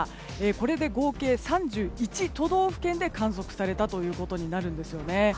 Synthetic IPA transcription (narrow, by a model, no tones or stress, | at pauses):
eːko̞ɾe̞d̪e̞ɡo̞ːke̞ːsãɲd͡ʑɨːit͡ɕit̪o̞d̪o̞ːɸɯ̟̥kẽ̞nd̪e̞kãɰ̃s̬o̞kɯ̟̥saɾe̞t̪at̪o̞jɯ̟ːko̞t̪o̞ɲ̟inaɾɯ̟̃nd̪e̞sɨjo̞ne̞